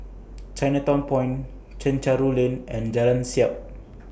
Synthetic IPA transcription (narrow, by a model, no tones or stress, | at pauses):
t͡ʃajnat̪ɔ̃npɔ̃j̃n | t͡ʃə̃nt͡ʃaɾulĩnɛ̃nd͡ʒalãnsiap̚